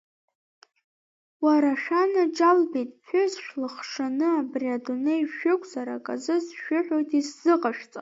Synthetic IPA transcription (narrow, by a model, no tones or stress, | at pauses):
waɾaʃᶣanad͡ʒalbejtʼpʰʷʏzʃlɨχʂanɨabriadunejʃᶣɪkʷʼzaɾakʼa̰zɨzʃᶣʏħʷᶣojtʰʼisz̥ɨqʼaʃᶣt͡sʼa